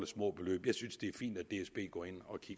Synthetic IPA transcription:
ləsmɔ̰ːb̥e̝lø̰ːb̥jɑ̈ɪsynsd̥e̝æɐfḭːnd̥æd̥e̝esb̥e̝̰ːɡ̥ɒ̰ːe̝n̰ɒ̽kʰiɡ̥

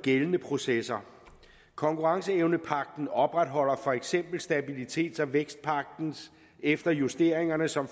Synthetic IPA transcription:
ɡ̥elənəpʰʁo̝sesɐ | kʰɒ̽ŋkʰuʁɑ̈ŋsəeʊnəpʰɑ̈ɡ̥̚d̥n̩ɒ̽b̥ʁad̥ɦɒ̽l̰ɐfɒ̽eɡ̥sem̰b̥l̩sd̥æb̥ilit͡sʰe̝̰ːd̥sæʋeɡ̥sd̥̚pʰɑ̈ɡ̥̚d̥n̩s | efd̥ɐjusd̥e̝̰ːɐ̰e̝ŋɐnəsɒ̽m

